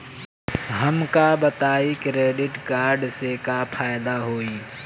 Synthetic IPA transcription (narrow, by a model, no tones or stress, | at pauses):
ɦəmkabət̪aːiːkɾeːɖɪʈkaːɾɖsekapʰaːjɪd̪aɦoːiː